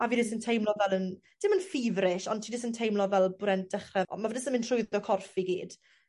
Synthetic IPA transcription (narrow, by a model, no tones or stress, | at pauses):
avidɪsəntʰejmlˠɔvɛlˠən | d̥ɪmənfivrɪʃɔntʰidɪsəntʰejmlˠɔvɛlˠbrɛnt̚d̥əχrɛ̰mavədɪsənmɪntʰrʊɨðɔkʰɔrfiɡḭːd̥